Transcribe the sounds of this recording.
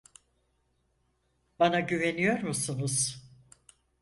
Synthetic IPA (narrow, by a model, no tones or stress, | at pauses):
banaɟyve̞nijo̞ɾmusunuz̥